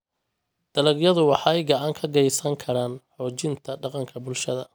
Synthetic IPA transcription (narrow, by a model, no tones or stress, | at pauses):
d̪̥ɐlɐɡjɐðʊwɑħɑɛjɡɑʕɑŋkʰɐɡɛjsɐŋkʰɐɾaːnħɔːt͡ʃɪnt̪ʰɐɖɑqɑŋkʰɐbʊlʃɐðɐ